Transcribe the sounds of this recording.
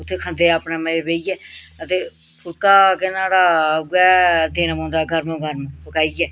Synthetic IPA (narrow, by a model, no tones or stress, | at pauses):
ʊt̪ʰːeːkʰə̃nd̪eːaːpneːməeːbeːiɛːət̪eː | pʰʊlkaːkɪnaːɽaːɡɛːd̪eːnmõːnd̪aːɡʱəɾmõɡʱəɾmõpəkaːijɛː